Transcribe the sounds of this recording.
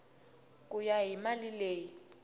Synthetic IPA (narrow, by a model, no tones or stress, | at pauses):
k̬ʼujaɦimalileːji